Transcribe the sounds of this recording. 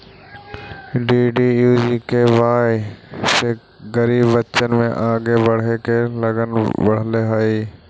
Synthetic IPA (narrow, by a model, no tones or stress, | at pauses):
ɖiːɖiːjuːd͡ʒiːkeʋaː | se | ɡəɾiːbʋət͡ʃənmẽʔaːɡeʋəɽ̤ekeləɡənʋəɽ̤leɦaːiː